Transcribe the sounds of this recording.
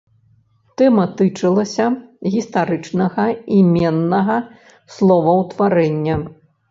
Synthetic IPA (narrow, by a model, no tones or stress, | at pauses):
t̪ɛmɐt̪ɨt͡ʂɨlˠɐsʲɐɣʲist̪aɾɨt͡ʂnɐɣɐimʲɛnːɐɣɐ | slˠɔvɐwt̪vaɾɛnʲːɐ